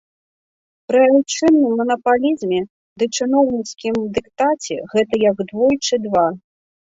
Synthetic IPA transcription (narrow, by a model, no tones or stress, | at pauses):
pɾɨawt͡ʂɨnːɨmːɐnɐpalʲizmʲɛ | d̪ɨt͡ʂɨnɔwnʲit̪skʲimd̪ɨkt̪at͡sʲɛ̰ɣɛt̪ɐjɐɡd̪vɔjt͡ʂɨd̪va